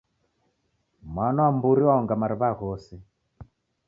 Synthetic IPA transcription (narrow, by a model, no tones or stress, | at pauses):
mwanɔambuɾiwaɔŋɡamaɾiβaɣɔsi